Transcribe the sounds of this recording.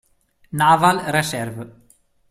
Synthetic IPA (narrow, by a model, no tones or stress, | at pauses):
naːvalrɛsɛɾvʏ